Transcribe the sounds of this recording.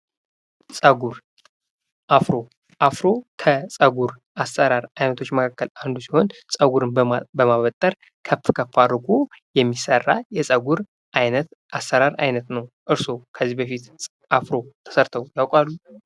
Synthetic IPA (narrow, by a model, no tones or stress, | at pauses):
sʼəɡuɾ | ʔafɾo̞ | ʔafɾo̞kʰəsʼəɡuɾ | ʔasːəɾaɾajnət̪ʰo̞t͡ʃːməkʰakʰːəland̪usiho̞nsʼəɡuɾɨnbəmaβət̪ʼːəɾ | kʰəfkʰəfaɾɡojɛmːisərːajɛsʼəɡuɾ | ʔajnət̪ʔasːəɾaɾajnət̪nəwʔɨɾso̞kʰəzːihbəfit̪ | ʔafɾo̞t̪ʰə̥səɾt̪ʰəwjawkʼalːu